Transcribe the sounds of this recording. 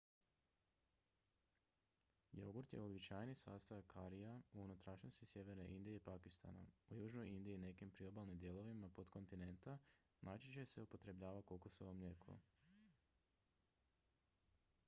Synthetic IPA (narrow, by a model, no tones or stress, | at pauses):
joɡuɾt̪je̞obit͡ɕajnisaːst̪ajakʰaɾijauunut̪ɾaʃɲost̪isje̞ʋe̞ɾne̞ʔind̪ijeipakist̪a̰na̰ujuːʒno̞jind̪iːne̞kimpɾio̞baːlˠnimd̪jelˠo̞ʋimapod̪kʰo̞nt̪ine̞nt̪a | nʔat͡ʃit͡ɕe̞se̞upo̞t̪ɾe̞bʎaːʋakokosoʋomʎʲe̞ːkʰo̰